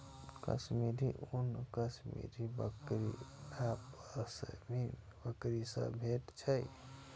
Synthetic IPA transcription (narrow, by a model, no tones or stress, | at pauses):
kə̰smiɾiʔunkəsmḭɾibə̰kɾḭapəsəmin | bəkɾisə̰̃bʱeʈt͡ʃʰəj